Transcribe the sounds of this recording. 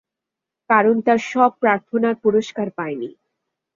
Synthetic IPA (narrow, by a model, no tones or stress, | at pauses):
kaɾont̪aɾʃɔb̚pɾaɾt̪ʰonaɾpuɾoʃkaɾpaenḭ